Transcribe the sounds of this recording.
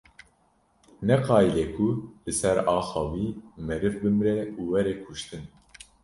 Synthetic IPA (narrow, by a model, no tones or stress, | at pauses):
nɛqɑːjilɛkʰulɨsɛɾɑːxɑːviːmɛɾɨvbɨmɾɛuːwɛɾɛkʰuʃt̪ɨn